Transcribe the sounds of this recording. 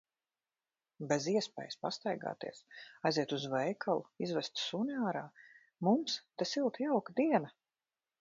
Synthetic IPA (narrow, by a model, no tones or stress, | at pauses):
beziɛspɛ̰ːjspast̪ajɡa̰ːt̪ḭɛsajziɛt̪uzvɛjkʰalˠuizvɛst̪suniaːɾaː | mumst̪esilˠt̪jawkd̪iɛna